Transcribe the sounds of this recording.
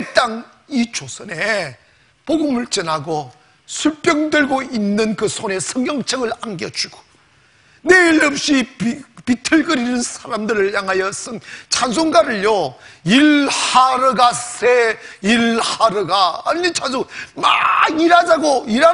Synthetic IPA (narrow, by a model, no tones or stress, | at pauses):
t͈aŋ | it͡ɕosʰʌne | poɡɯmɯɭt͡ɕɯnaɡo | sʰuɭp͈ʼjʌŋdweɭɡoinːɯnkɯsʰone̞sʰʌŋjʌŋt͡ɕʰʌɡɯɭaŋɡjʌd͡ʑuɡ̥o̥ | neiɭːʌp̚ɕ͈ippitʰɯɭɡɯɾinɯnsʰaɾamdɯɾɯɭjaŋɦajʌsʰʌŋt͡ɕʰansʰoŋɡaɾɯɭjoilhaɾɯɡasʰeilhaɾɯɡaːit͡ɕʰans̬ʰoma̰ɡiɾad͡ʑaɡoiɾa